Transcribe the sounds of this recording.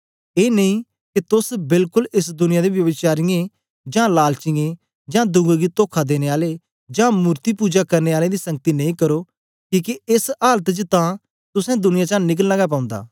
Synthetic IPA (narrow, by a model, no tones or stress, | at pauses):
eːnɐĩ | kit̪ʊsbɪlkʊlɪs̬d̪ʊnɪjãd̪eʋjɐʋɪt͡ʃaːɾɪjẽ | d͡ʒãːlaːlt͡ʃɪ̃ẽ | d͡ʒãːd̪ʊ̃ŋɡaɡit̪oːkʰad̪eːneaːle | d͡ʒãːmuːɾt̪ipuːd͡ʒakɐɾneaːled̪isɐ̃ŋɡ̚t̪inɐ̃ĩːkɐɾo | kiːkeɪsaːlət̪d͡ʒt̪ã | t̪ʊsɛ̃d̪ʊnɪjãt͡ʃãːnɪk̬əllɐɡap̬ãːʊ̃nd̪a̰ː